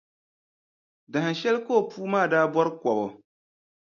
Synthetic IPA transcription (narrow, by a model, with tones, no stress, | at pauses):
da˨ha˨ʃɛ˦lkoː˦˨puː˦maː˦˨daː˦bɔ˦ɾɨ˦kɔ˨bɔ˨